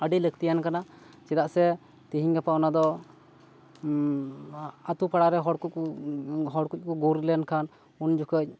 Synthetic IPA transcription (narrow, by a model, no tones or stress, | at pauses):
əɖiləkt̪ijankana | t͡ʃɛd̪aʔsɛ | t̪iɦiɲɡapanad̪ɔ | at̪upaɽaɾɛɦɔɽkuc̚ | ɦɔɽkuc̚kuɡuɾlənkʰan | und͡ʒukʰəc̚